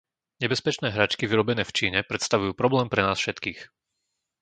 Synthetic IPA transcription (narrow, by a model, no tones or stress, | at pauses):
ɲɛbɛspɛt͡ʃnɛːɦɾat͡ʃkiʋiɾɔbɛnɛːft͡ʃiːɲɛpɾɛt̪st̪aʋujuːpɾɔblɛːmpɾɛnaːsfʃɛt̪kiːx